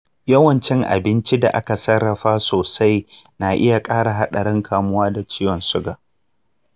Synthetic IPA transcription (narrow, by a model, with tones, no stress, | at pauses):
jɐ˦wɐ˨nt͡ʃɪ˦ŋʔa̰˨bɪ˦nt͡ʃi˦da̰˨ʔa˦ka˨sɐ˦rːɐ˨ɸaː˦soː˨sa˦j | naː˨ʔɪ˦ja˨kʼaː˦ɽa˨ɦa˦ɗɐ˨ɽɪ˦ŋkʰaː˨mʊ˦waː˦da˨t͡ʃiː˦wɔ˨nsʊ˦ɡaː˨